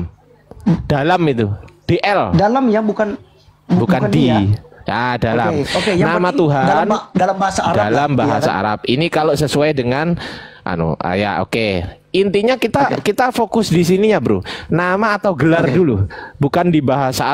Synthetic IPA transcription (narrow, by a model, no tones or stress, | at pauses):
m | d̥alamit̪ud̥eʔɛldalamjabukan | bukandiadalakenamat̪uɦandalambaasaɾdalambaɦasa̰a̰ɾa̰p̚inikalosəsuajdəŋanʔa̰nṵa̰ja̰ʔo̰keʔint̪iɲakit̪akit̪afokʊsdisinijabɾṵnamaːt̪awɡəlardulubukandibaɦasaː